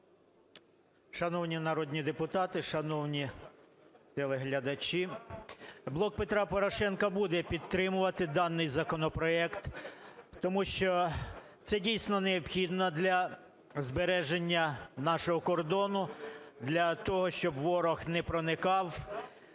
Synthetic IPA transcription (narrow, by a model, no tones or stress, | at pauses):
ʃɐnɔwnʲinɐɾɔd̪ʲnʲid̪epʊt̪ɑt̪ɪʃɐnɔwnʲi | t̪elˠɛɦlʲɐd̪ɐt͡ʃʲi | blˠɔk̚pet̪ɾɑpɔɾɔʃɛnkɐbud̪ɛpʲid̪̚t̪ɾɪmʊʋɐt̪ɪd̪ɑnːɪjzɐkɔnɔpɾɔɛkt̪ː | ɔmuʃt͡ʃɔ | t̪sɛdʲijsʲnɔneɔbxʲid̪nɔd̪lʲɐ | zbeɾɛʒenʲːɐnɑʃɔɦɔkɔrd̪ɔnʊd̪lʲɐt̪ɔɦɔʃt͡ʃɔbʋɔɾɔxnɛpɾɔnɪkɑw